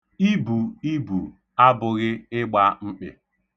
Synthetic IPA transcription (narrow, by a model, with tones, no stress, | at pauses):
i˦bu˨i˦bu˨ | a˦bʊ˨ɣɪ˦ɪ˦ɡ͡ba˦ŋ͡m̩˦k͡pɪ̰˨